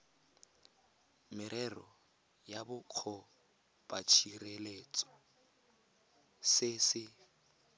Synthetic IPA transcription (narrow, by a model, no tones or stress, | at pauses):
mɪɾʔɛrɔ | jabʊq͡χʰɔ | pʼat͡ʃʰireleːt͡sʼɔ̥ | sɪsɪ